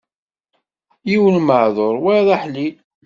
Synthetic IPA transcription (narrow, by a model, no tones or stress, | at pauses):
jiwəlməʕðˤoɾˤwæðˤɑħli